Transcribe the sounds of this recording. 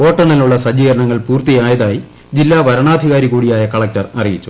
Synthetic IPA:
o̞ːʈːɐɳɐluɭːɐsɐd͡ʑiːɣɐɾɐɳɐŋːɐɭpuːrt̪ijaːjɐðaːji | d͡ʑilːaːʋɐɾɐɳaːd̪ʱiɣaːɾiɣuːɽijaːjɐkɐɭɐk̚tɐrɐrijit͡ɕːu̥

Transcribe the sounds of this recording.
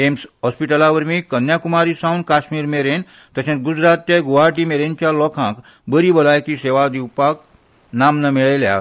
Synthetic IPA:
emsɦɔspiʈəlaʋəɾmiːkənjakumaɾiːsãwnkaɕmiːɾmeɾen | t̪əsẽt͡s̪ɡud͡zɾat̪̚jeɡoʋaɾʈiːmeɾent͡ɕjalɔkʰãk | bəɾibəlajk̪iseʋad̪iwpak̚ | namnəmiɭelja̰

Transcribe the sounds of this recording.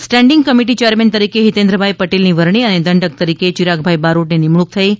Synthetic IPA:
sʈɛɳɖɪŋɡ̚kəmiʈ̬it͡ʃejəɾment̪əɾikeɦit̪ẽnd̪ɾəbʱajpəʈelniʋəɾɳ̃iəned̪əɳɖək̚t̪əɾiket͡ʃiɾaɡbʱajbaɾoʈnenimɭuk̚t̪ʰəi

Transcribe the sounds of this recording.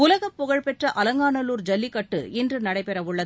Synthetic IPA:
ʊlɐɣɐpːʊɣɐɻpɛʈrɐʔɐlɐŋɡaːɳɐluːɾd͡ʒɐlːɪkːɐʈːɯ̰ɪndrɯnɐɽɐɪpɛɾɐʋʊɭːɐ

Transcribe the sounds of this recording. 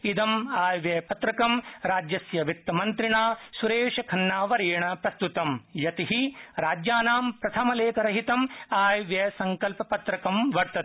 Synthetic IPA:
id̪ɐmaːjʋjɐpɐt̪ɾɐkɐmɾaːd͡ʒjɐsjɐʋit̪ːɐmɐnt̪ɾiɳaːsuɾeːʂɐkʰɐnːaːʋɐɾiːɳɐpɾɐst̪ut̪ɐmjɐt̪iɦiɾaːd͡ʒjaːnaːmpɾɐt̪ʰɐmɐleːkɐɾɐɦit̪ɐmaːjʋjɐsɐŋkɐlpɐpɐt̪ɾɐkɐmʋɐɾt̪ɐt̪

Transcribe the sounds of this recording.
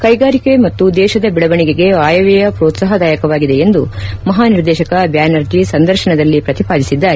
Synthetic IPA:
kɐjɡaːɾike̞mɐt̪ːud̪ɛːʃɐd̪ɐbiɭɐʋɐɳiɡeɡe̞aːjɐʋɛjɐpɾoːt̪saːɦɐd̪aːjɐkɐʋaːɡid̪e̞end̪umɐɦaːniɾd̪ɛːʃɐkɐbjaːnɐɾd͡ʒisɐnd̪ɐɾʃɐɳɐd̪ɐlːipɾɐt̪ipaːd̪isid̪ːaːɾe

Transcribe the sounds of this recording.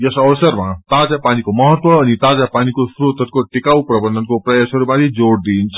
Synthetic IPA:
jʌsʌbʌsʌrmat̪ad͡zapanikomʌɦʌt̪wʌːnit̪ad͡zapanikosɾut̪ʌt̪̚koʈikawprʌbʌnd̪ʌnkoprʌjasʌɾumat̪id͡zoɽd̪int͡sʰʌ̥

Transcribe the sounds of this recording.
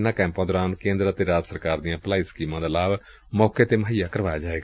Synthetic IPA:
nãːkɛ̃ːmpãːd̪ɔːɾaːnkẽːnd̪ɾat̪eːɾaːd͡ʒsəɾkaːɾd̪ijãːplaːiskiːmãːd̪aːlaːʋ | mɔːkeːt̪eːməɦijaːkəɾʋaːjaːd͡ʒaːʋeːɡa

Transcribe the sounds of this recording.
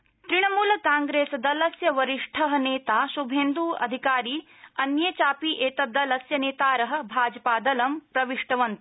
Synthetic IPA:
t̪ɾiɳɐmuːlɐkaːŋɡɾeːsɐd̪ɐlɐsjɐʋɐɾiʂʈʰɐɦɐ̆neːt̪aːʃubʱeːnd̪uːɐ̰d̪ʱikaːɾiː | ɐnjeːt͡ʃaːpiʔeːt̪ɐd̪ːɐlɐsjɐneːt̪aːɾɐɦɐ̆bʱaːd͡ʒɐpaːd̪ɐlɐmpɾɐʋiʂʈɐʋɐnt̪u̥

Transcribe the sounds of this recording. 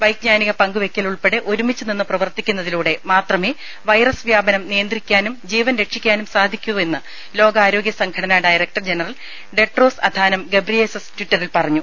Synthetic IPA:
ʋɐjk̚ɲaːniɣɐpɐŋɡuʋe̞kʲːɐluɭpe̞ɽeʔo̞ɾumit͡ɕːɨninːɨprɐʋɐrt̪ikʲːunːɐðiluːɽe̞maːt̪rɐmeː | ʋɐjrɐsʋjaːbɐnɐmnijɐnd̪rikʲːaːnumd͡ʑiːʋɐnɾe̞kʂikʲːaːnumsaːd̪ʱikʲːuʋɐe̞nːɨ | lo̞ːɡɐaːɾo̞ːɡjɐsɐŋɡʰɐɽɐnaːɖaːjɾɐk̚ʈɐrd͡ʑe̞nɐrɐl | ɖe̞ʈro̞ːsɐ̰d̪ʱaːnɐmɡe̞brilesestwiʈːɐrilpɐrɐɲːu

